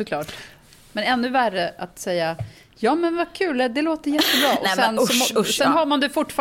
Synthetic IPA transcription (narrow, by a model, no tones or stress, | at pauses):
sɔklɑːʈ | mɛnɛnːɵværːəat̪sɛjːa | jɑːmɛnvakʰʉ̟ːlɛd̪ɛloːt̪əjɛt̪ːəbɾɑːʔɔsɛnsɔɔsɛnɦaɾmand̪ɛfʊʈːfɑ